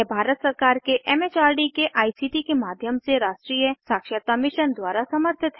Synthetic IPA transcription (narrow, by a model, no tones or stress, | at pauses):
ɛbʱaːɾət̪səɾkaːɾkeʔɛːmet͡ʃaːɾɖikeʔaːisiːʈikemaːd̪ʱjəmseɾaːʃʈɾijəsaːkʃət̪amɪʃənd̪waːɾasɐməɾt̪ʰɪt̪ɦɛ